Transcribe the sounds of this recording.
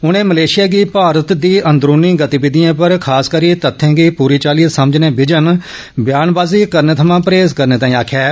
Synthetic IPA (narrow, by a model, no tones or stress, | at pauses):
ʊñẽːməleːʃɪjaːɡiːpaːɾət̪d̪iːʔə̃nd̪ɾuːnĩːɡət̪ibɪd̪ijãːpəɾkʰaːskəɾiːt̪ət̪ʰːɛ̃ːɡiːpuːɾiːt͡ʃaːlijət̪səməd͡ʒnẽːbɪd͡ʒən | bjaːnbaːziːkəɾneːt̪ʰəmãːpɾeːzkəɾnẽːt̪ãːĩːaːkʰjɛː